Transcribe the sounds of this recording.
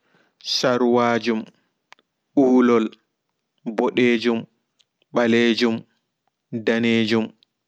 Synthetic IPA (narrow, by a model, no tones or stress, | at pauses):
saɾwaːd͡ʒum | ʔuːlɔl | bɔɗeːd͡ʒum | ɓaleːd͡ʒum | daneːd͡ʒum